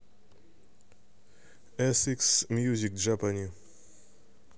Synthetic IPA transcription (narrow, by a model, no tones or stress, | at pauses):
ɛsiksmjuzʲikʒapanʲi